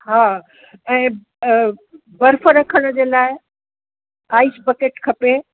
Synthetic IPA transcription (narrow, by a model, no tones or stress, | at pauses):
ɦaː | ɛ̃ː | bɐɾfəɾɐkʰəɽ̃d͡ʑeːlaːɪ | aːisbɐkeːʈkʰɐpe